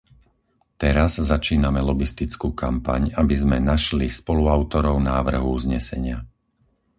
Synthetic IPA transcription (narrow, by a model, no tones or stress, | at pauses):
t̪ɛɾazzːat͡ʃiːnamɛlɔɡist̪it͡skuːkampa̰ɲabizmɛnaʃlispɔluaʊt̪ɔɾɔʊnaːʋr̩ɦuuzɲɛsɛɲɪa